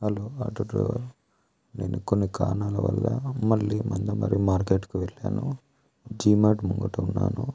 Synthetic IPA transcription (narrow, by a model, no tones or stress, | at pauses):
hɐloːaʈuɖɾɛ̰ːʋɐɾ | ne̞ːnukonːikaːnaːlɐʋɐ̰lːɐmɐɭːimɐnd̪ɐmɐ̰ɾimaːɾkeːʈkuʋeɭːaːnu | d͡ʒiːmaːʈmuŋɡɐʈuunːa̰ːnu